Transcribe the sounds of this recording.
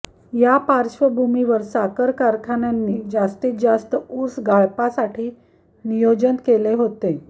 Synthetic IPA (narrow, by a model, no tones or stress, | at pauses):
japaɾɕʋəbʱumiʋəɾsakəɾkaɾkʰanjanːiːd͡ʑast̪iːt̪̚d͡zast̪əuɾsɡaɭpasaʈʰiː | nijod͡ʑənkeleɦot̪e